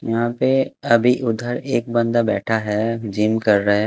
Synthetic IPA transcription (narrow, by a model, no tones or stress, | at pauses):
jɐɦãpeɐbʱiʔʊd̪ʱəɾeːk̚bə̃nd̪abɛ̰ːʈʰaɦɛd͡ʒiːmkɐɾːɐɦɛ